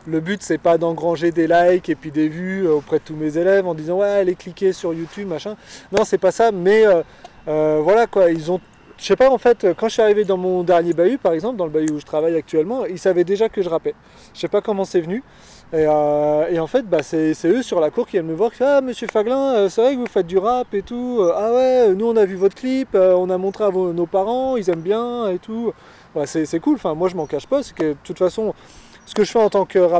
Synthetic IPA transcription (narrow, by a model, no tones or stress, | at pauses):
ləbyt̪sɛpad̪ɑ̃ɡʁɑ̃ʒed̪elajkepɥid̪evyøopχɛd̪ət̪umezelɛvɑ̃d̪izɑ̃wɛaleklikʲesyʁjut̪ybmaʃɛ̃nɔ̃sɛpasamɛø | øvwalakwailzɔ̃ | ʃepaɑ̃fɛt̪økɑ̃ʒə̥siaʁived̪ɑ̃mɔ̃d̪ɛʁnjebaypaʁɛɡzɑ̃pld̪ɑ̃ləbayuʒət̪χavajak̚t̪yɛlmɑ̃ilsavɛd̪eʒakəʒəʁapɛ | ə̥sɛpakɔmɑ̃sɛvəny | eøeɑ̃fɛt̪̚basɛsɛøsyʁlakuʁkʲiɛlməvwaʁkifɛaməsjøfaɡlɛ̃øsɛvʁɛkvufɛt̪̚d̪yʁapet̪uøawɛønuɔ̃navyvɔt̪χklipøɔ̃namɔ̃t̪χeavonopaʁɑ̃ilzɛmbjɛ̃et̪u | basɛsɛkulɑ̃fɛ̃mwaʒəmɑ̃kaʃpasɛ̥kəd̪ət̪ut̪fasɔ̃ | sə̥kəʒəfɛɑ̃t̪ɑ̃kəʁap